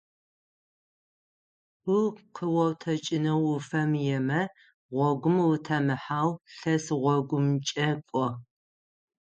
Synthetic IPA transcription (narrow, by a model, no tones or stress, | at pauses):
uqʰəwɐwtʰɐt͡ʃʼɪnɐwʊfɐmjɛmɐ | ʁʷɔɡʷʊmwʊtʰɐmɨħaːwɬɐsʁʷɔɡʷʊmt͡ʃʼɐkʷʼɔ